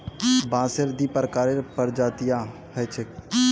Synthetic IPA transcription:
bãːseɾd̪ipəɾkaːɾeɾpəɾd͡ʒaːt̪ijã | hɛt͡ʃʰek

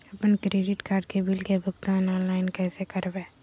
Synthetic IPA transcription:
ɐpənkɾeːɖɪʈkaːɾɖ̚kebɪlkebʱʊɡt̪aːnɔːnlaːɪnkɛːsekɐɾbeː

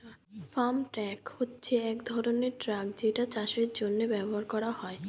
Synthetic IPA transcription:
famʈɾɛkhotːɕʰeɛkd̪ʱɔɾoneɾʈɾak̚d͡ʑeʈat͡ɕaʃeɾd͡ʑonːebɛboɦaɾkɔɾahɔe

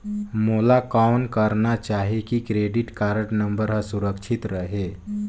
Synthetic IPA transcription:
moːlakankəɾnat͡ʃaːɦekikɾeːɖiʈkaːɾəʈnəmbəɾɦəsuɾəkt͡ʃʰit̪ɾəɦe

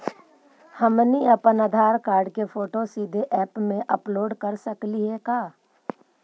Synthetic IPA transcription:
hɐmniɐpənəd̪ʱaːɾkaːɾɖkefoːʈosiːd̪ʱeʔɛːpmẽʔɐploːɖkɐɾsɐkliɦɛkaː

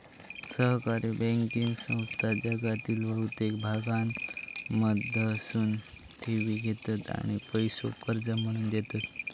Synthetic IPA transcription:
səɦkaɾibɛ̃ŋkiŋɡsə̃w̃st̪ad͡ʑəɡat̪iːlʋəɦut̪ek̚bʱaɡanməd̪ʱəsuːn | ʈ̪ʰeʋiɡʱet̪at̪a̰ɽ̃ipəjso̰kəɾd͡zəm̤əɽ̃uːnd̪et̪at̪

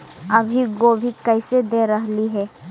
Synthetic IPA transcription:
ɐbʱiɡoːbʱikɛɪsed̪eɾɐɦliɦɛː

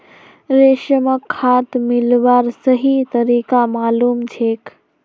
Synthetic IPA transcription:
ɾeːʃəməkʰːaːt̪mɪlʋaːɾsəɦit̪əɾiːkamaːluːmt͡ʃʰeːk

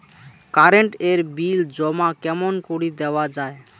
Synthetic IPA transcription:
kaɾeɳʈeɾbild͡ʒɔmakɛmɔnkuɽid̪ɛwad͡ʒae

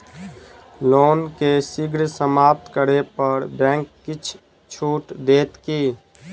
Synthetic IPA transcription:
loːnkesɪɡɾsəmaːp̚t̪kəɾepəɾbɛ̃ːŋkːɪt͡ʃʰ | t͡ʃʰuːʈd̪eːt̪kiː

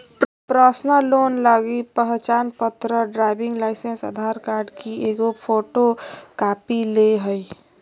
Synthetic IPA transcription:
pɾəsnəloːnləɡipəɦt͡ʃaːnpət̪ɾəɖɾaɪbɪ̃ŋɡlaɪsensə̰d̪ʱaɾkaːɾɖkieːɡopʰoːʈokaːpileɦəi

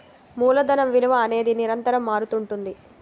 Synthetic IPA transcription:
muːlɐd̪ɐnɐmʋiluʋɐːne̞ːd̪iniɾɐnt̪ɐɾɐmːaːɾut̪uɳʈund̪i

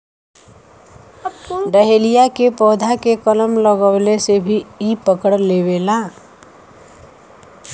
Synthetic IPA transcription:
ɖəɦelijakepɔːd̪ʱakekələmləɡəʊlesebʱiipəkəɽlebela

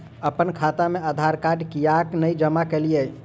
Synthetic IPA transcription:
əpənkʰat̪ameəd̪ʱaɾkaɖkijaknəjd͡ʒəmakelijə

